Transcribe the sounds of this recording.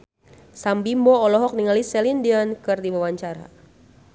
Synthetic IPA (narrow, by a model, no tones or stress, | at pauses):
sambimbɔːlɔɦɔk̚niŋalisɛlindiankɨrdiwawaɲt͡ʃaɾa̰